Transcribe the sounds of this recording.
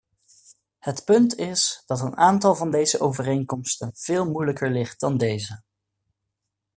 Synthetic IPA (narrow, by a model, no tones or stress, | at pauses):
hətpɵntɪsd̥ɑtənaːntɑlˠvɑndejzəʔowvərejŋkɔmstənv̥ɪːlˠmujləkəɹlɪχt̚d̥ɑndejzə